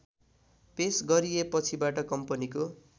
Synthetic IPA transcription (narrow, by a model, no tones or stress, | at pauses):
pesɡʌɾijepʌt͡sʰibaʈʌkʌmpʌniko